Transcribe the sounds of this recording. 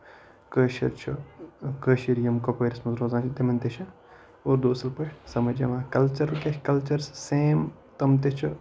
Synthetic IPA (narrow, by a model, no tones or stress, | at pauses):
kəːʃɐ̰ɾt͡ʃʰukəːʃiɾjɐmkopəːɾʲismɐzɾoːzãːt͡ʃʰit̪emɐnt̪eʃa | oːɾd̪oːsɐlpɐʈʰsɐmɐd͡ʒḛʋãːkɐlt͡ʃɐɾlkekɐlt͡ʃɐɾsseːm | t̪ɐmt̪et͡ʃʰu